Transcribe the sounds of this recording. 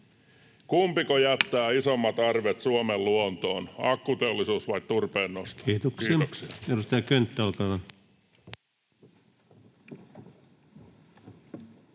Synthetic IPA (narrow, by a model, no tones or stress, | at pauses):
kumpikojæt̪ːæːisomːɑt̪ɑrʋet̪suomelluont̪o̞ːnɑ̰kːut̪eolːisuːsʋɑit̪t̪urpeːnːosʰiːt̪oksiedust̪ɑjɑkønt̪ːæɑlkɑlɑn